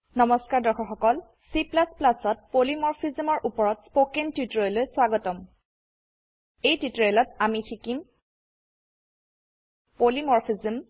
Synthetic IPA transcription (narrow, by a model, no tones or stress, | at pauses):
nɔmɔskaɹdɔxʰɔxɔkɔl | siplasplasɔt̚polimɔɹpʰizmɔɹʔupɔɹɔtspokentjutɹojlojswaɡɔtɔm | ejtutɹɔjlɔtamitʰikim | polimɔɹpʰizim